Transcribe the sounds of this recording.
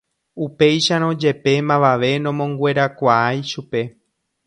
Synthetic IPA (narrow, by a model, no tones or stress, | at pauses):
upe̞jʃaɾ̃õd͡ʒe̞pe̞mãʋaʋe̞nõmõ̞ŋɡwe̞ɾakʷaajʃupe̞